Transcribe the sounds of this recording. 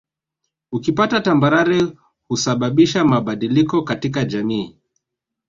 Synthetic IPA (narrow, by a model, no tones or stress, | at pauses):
ukipatatambaɾaɾɛ | husaɓaɓiʃamaɓaɗilikɔkatikad͡ʒamiː